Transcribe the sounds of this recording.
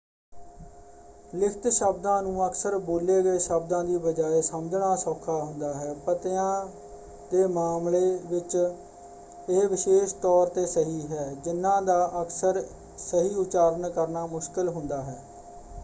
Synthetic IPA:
lɪkʰt̪ʃəb̚d̪ãːnũːəksəɾboːleːɡəeːʃəbd̪ãːd̪iːbəd͡ʒaːeːsəmd͡ʒɳaːsɔːkʰːaːɦʊnd̪aːɦɛːpət̪ɪjãː | d̪eːmaːmleːʋɪt͡ʃ | eːʋɪʃeːʃt̪ɔːɾt̪eːsəɦiːɦɛːd͡ʒɪnːãːd̪aːʔəksəɾ | səɦiːʊt͡ʃaːɾənkəɾnaːmʊʃkɪlɦʊnd̪aːɦɛː

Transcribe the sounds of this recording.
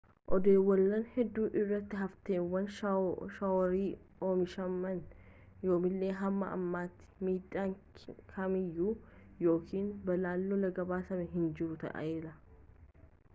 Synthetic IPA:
ʔɔd̪eːwːɐlːɐnhɛd̪ːuːʔɪrːɐt̪ːɪɦɐft̪eːwːɐnʃɐwɔɾiː | o̞ːmɪʃɐmːɐn | jo̞ːmɪlːeːɦɐmːɐ̰ɐ̰mːaːt̪ːɪ̥miːᶑaːŋ | kʰɐmɪjːuːjo̞ːkʰiːnbɐlaːlːɔlɐɡɐbaːsɐmɛɦɪnd͡ʒɪɾʊt̪ɐ̰ʔɐ̰ʔeːlɐ

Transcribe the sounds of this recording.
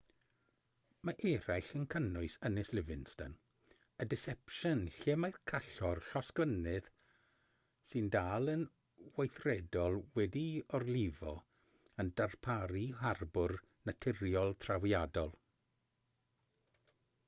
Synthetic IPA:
maʔɛɾajɬənkʰənʊɨsənɪslɪvɪnstən | ədɪsɛpʃənɬeːmajrkʰaɬɔrɬaskənɪð̥ | sɨndaːlˠən | wajθrɛdɔlˠwɛdiɔrlˠɪvɔ | əndarpʰaɾiɦarbʊr | natʰɪɾjɔlˠtʰrawjadɔlˠ

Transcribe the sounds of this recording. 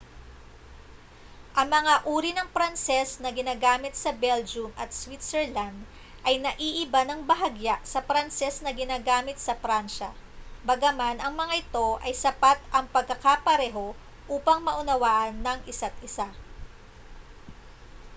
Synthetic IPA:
ʔɐŋmɐŋaʔuːɾinɐŋpɾɐnsɛsnɐɡɪnaːɡaːmɪt̪sɐbɛld͡ʒumɐt̪̚swit̪sɛɹland̪ | ʔɐjnɐʔiʔɪbanɐŋbɐɦɐɡjaʔsɐfɾɐnsɛsnɐɡɪnaːɡaːmɪt̪̚sɐfɾanʃɐ̰bɐɡɐmanʔɐŋmɐŋaʔɪt̪o̞ʔɐjsɐpat̪̚ʔɐŋpɐɡ̚kːɐkapɐɾɛːɦo̞ | ʔuːpɐŋmɐʔʊnɐwaːʔɐnːɐŋʔɪsat̪̚ɪsa

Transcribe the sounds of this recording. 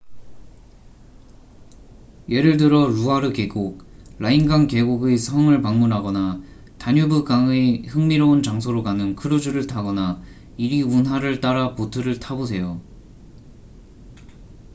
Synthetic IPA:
jeɾɯɭdɯɾʌɾuaɾɯke̞ɡoɡ̚ɾʔainɡaŋke̞ɡoɡesʰʌŋɯɭpaŋmunɦaɡʌna | taɲubukaŋehɯŋmiɾount͡ɕaŋsʰoɾokanɯnkʰɯɾud͡ʑuɾɯɭtʰaɡʌna | iɾiunɦwaɾɯɭt͈aɾapotʰɯɾɯɭtʰabos̬ʰe̞jo

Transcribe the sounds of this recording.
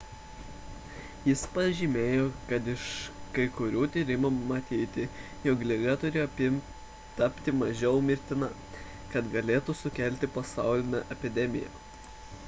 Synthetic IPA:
jɪspɐʒʲimʲeːjoːkɐt̪ɪʃkɐɪkʊɾʲuːt̪ʲiːɾʲɪmumɐt̪ʲiːt̪ʲɪ | jɔːklʲɪɡɐt̪ʊɾʲeːɔpʲɪmʲ | t̪ɐpʲt̪ʲɪmɐʒʲɛʊmʲɪɾʲt̪ʲɪnɐ | kɐt̪ɡɐlʲeːt̪usʊkʲɛˑlʲt̪ʲɪpɐsɑˑʊlʲɪnʲɛʔɛpʲɪd̪ʲɛmʲɪ̰jɛ̰

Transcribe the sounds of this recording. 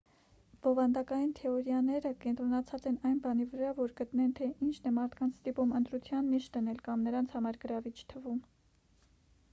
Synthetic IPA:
b̥ɔvɑnd̪ɑkɑjint̪ʰɛɔɾjɑnɛɾəkɛnt̪ɾɔnɑt͡sʰɑt͡sɛnɑjnbɑnivəɾɑvɔɾɡət̪nɛnt̪ʰɛʔint͡ʃʰnɛmɑɾt̪ʰkɑnt͡sʰst̪ipumənt̪ɾut͡sʰjɑnːiʃt̪̚d̪ənɛlkɑmnəɾɑnt͡sʰhɑmɑɾɡəɾɑvit͡ʃʰt̪ʰəvum

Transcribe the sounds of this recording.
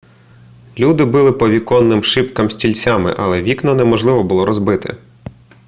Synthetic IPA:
lʲud̪ɪbɪlˠɪpɔʋʲikɔnːɪmʃɪpkɐmsʲtʲilʲt͡sʲamɪ̰ʔɐ̰lˠɛʋʲiknɔnɛmɔʒlˠɪʋɔbʊlˠɔɾɔzbɪt̪ɪ̰

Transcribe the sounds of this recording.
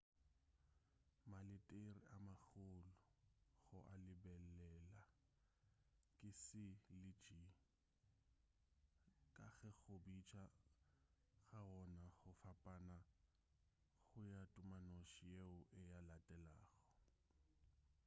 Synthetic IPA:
malɪtʼerḭʔamak͡xʊlʊɣʊʔalɪbɛlɛla | kʼɪsɪlɪ̥d͡ʒi | kʼaɣɛɣʊbit͡ʃʰʼa | ɣaɔnaɣʊfapʼana | ɣʊjatʼʊmanoʃijeʊʔɪjalatʼɛlaːɣɔ̥

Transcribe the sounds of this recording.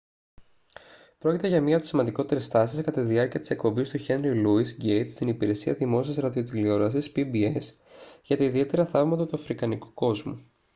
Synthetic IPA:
pɾo̞cʲit̪eʝɐmɲɐoi̥simɐnd̪iko̞t̪e̞ɾe̞st̪ɐsiskɐt̪ɐt̪iðiɐɾciɐt̪i̥se̞kpo̞mbist̪uʝe̞nɾiluisɟejt̪st̪inipiɾe̞siɐðimo̞siɐzɾɐðio̞t̪ilio̞ɾɐsispibies | ʝɐt̪ɐiðie̞t̪e̞ɾɐθɐvmɐt̪ɐt̪uɐfɾikɐniku̥ko̞zmṵ

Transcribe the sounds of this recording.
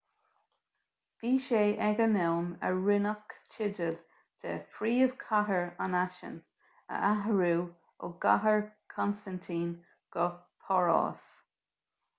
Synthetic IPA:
v̥iːʃeːʔɛɡənɛwmə̰ɹɪnəkt͡ʃʰɪdəl | d̥ɛ̰fɾiːəv̥kʰaɦəɹanaʃə̰n | ə̰ʔaɦəɹuː | ʊ̰ɡaɦəɹkʰɔnstant̪ʰiːn | ɡ̥ə | pʰɔɹɔ̰ːs

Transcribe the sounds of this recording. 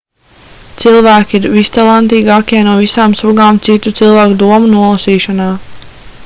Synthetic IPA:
t̪silˠvæːkʲiiɾvist̪alˠant̪iːɡaːkʲiɛnuɔvisaːmsuɡaːmt̪sit̪ut̪silˠvæːkud̪uɔmunuɔlˠasiːʃanaː

